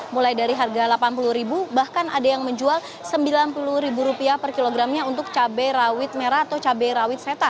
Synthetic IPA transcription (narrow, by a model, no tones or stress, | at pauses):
mulajdaɾiɦarɡalapanpuluhɾibubahkana̰dajaŋməɲd͡ʒual | səmbilanpuluɾibuɾupiahpərkiloɡɾamɲaunt̪ʊk̚t͡ʃabɛɾawɪt̪̚meɾaːt̪awt͡ʃabɛɾawɪt̪̚set̪a